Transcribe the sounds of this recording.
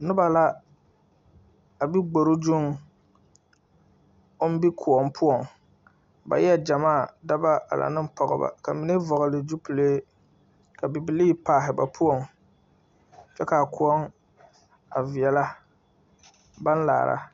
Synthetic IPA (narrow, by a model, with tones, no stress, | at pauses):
nɨ˦ba˨la˦ | a˨bi˦ɡ͡bo˨ɾʊ˦d͡ʒu˦ŋ | o˦n˦bi˦kʰu˨ɔ˨mpʰʊ˦ɔ˨ŋ | ba̰˨jɛ˦d͡ʒa˨maː˦˨da˦ba˦a̰˨la̰˨nɨ˦m˦pɔ˨ɣɨ̰˨ba̰˨ka˨mɪ˦ne˦vɔ˨ɣʊ˨lɪ˨d͡ʒu˦pu˨leː˦ | ka˨bi˨bi˨liː˦paː˨ɦɪ˨ba˨pʰʊ˦ɔ˨ŋ | t͡ʃɛ˦ka˨kʊ˦ɔ˦ŋ | a˨vi˨ɛ˨la˦ | ba˦n˦la̰ː˨ɾʔa̰˦